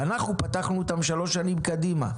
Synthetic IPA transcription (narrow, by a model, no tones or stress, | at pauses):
anaχnupat̪aχnuːt̪amʃalo̞ʃanimkad̪ima̰